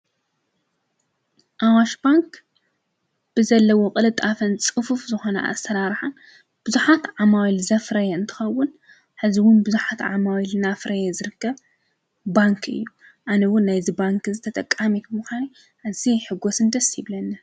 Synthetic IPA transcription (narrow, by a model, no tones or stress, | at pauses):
ʔawaʃbaŋk | b̥ɨzɐlːɐwokʼɨlɨt̪ʼafɐnt͡sʼɨfufzɨxo̞nɐ̰ʔa̰st̪ʰɐɾaɾħan | b̥ɨzuħat̪ʕamawilzɐfɾɐjɛɨnt̪ʰɨ̥xɐwːʊn | ħɨziwʊnbɨzuħat̪ʕa̰mawilɨnafɾɐjezɨɾɨkːɐβ | baŋkʰɨ̰jːu | ʕanɐwʊnːajzibaŋkzɨt̪ʰɐt̪ʼɐkʼːamikʰmuxʷani | ʔaziħɨɡo̞sɨnd̪ɐsiβlɐnːɨ